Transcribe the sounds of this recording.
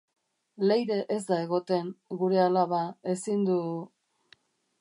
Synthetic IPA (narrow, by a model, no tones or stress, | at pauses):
le̞jðe̞ʔezd̪ae̞ɣo̞t̪e̞ŋɡuɾe̞alaβae̞sind̪u